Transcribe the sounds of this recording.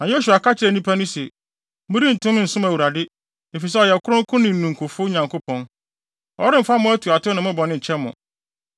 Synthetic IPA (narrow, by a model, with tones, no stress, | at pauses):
nã˨je˦s̬u˨a˨ka˦t͡ɕʰɪ˦ɾɛ˨nĩ˦pʰa˦nʊ̃˦se˨ | mʊ̃˦ɾi˦n̩˨tʰʊ̃˦n̩˨sʊ̃˦mæ˨wu˨ɾa˨dɪ˦ | e˨fi˨s̬ɛ˦ɔ˨jɛ˨kʰʊ˦ɾʊ̃˦ŋ̩˦kʰʊ̃˦nɪ̃˨n̩˨nũ˨ŋ̩˨kʰʊ˨fʊ˦ɲã˨ŋkʰo˦pʰɔ̃˦n | ɔ̰˨˦ɾɪ˦m̩˨fa˦mʊ̃˦æ˦tʰu˨a˨tʰʊ˦nã˨mʊ̃ɪ˦bɔ˨nɪ̃˦˨ɲ̩˨t͡ɕʰɛ˦mːʊ̰̃˨